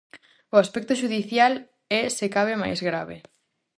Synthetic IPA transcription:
ʊaspɛk̚t̪ʊʃuðiθjal | ɛsekaβɪma̰jzɣɾa̰βɪ̰

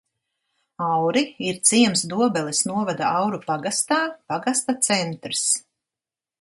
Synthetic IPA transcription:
awɾiiɾt̪siɛmsd̪uɔbɛlˠisnuɔvad̪aawɾupaɡast̪aːpaɡast̪at̪sɛnt̪ɾs

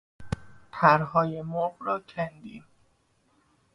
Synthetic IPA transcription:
t̪ʰæɾɦɒːje̞moɢɾɒːcʰænd̪ḭːn

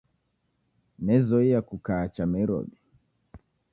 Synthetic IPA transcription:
nɛzɔijakukaːt͡ʃanaiɾɔ̰ɓi

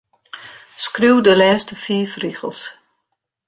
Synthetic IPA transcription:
skruwdəlɛːstəfiːfriɣəlˠs

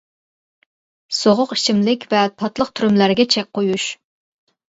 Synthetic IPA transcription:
soʁʊqi̥ʃimlɪkʲvɛt̪ʰɑt̪lˠəq̚t̪ʰyɾymlæɾɡʲɛt͡ʃʰɛk̚ʲqʰojuʃ

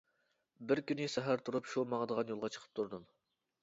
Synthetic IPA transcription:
bɪɾkʲynɪsɛɦæɾt̪ʰuɾupʃumɑŋd̪əʁɑnjolˠʁɑt͡ʃʰə̥qʰə̥p̚t̪ʰuɾd̪ɨm

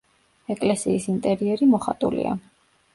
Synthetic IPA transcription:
ɛkʼlɛsiːsint̪ʼɛɾiɛɾimɔχa̰t̪ʼulḭa̰

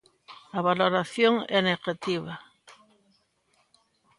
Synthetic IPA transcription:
aβaloɾaθjoŋɛneɣat̪iβa

